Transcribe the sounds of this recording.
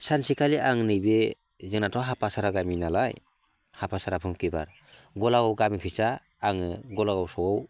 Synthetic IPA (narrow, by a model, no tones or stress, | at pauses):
sansikʰaliʔaŋnɯjbe | zɯŋnatʰɔɦapʰasaɾaɡaminalaj | hapʰasaɾapʰɯmkiba̰ɾ | ɡɔlaɡɔwɡamikʰɯsaː | ŋɯɡɔlaɡawsɔɡɔw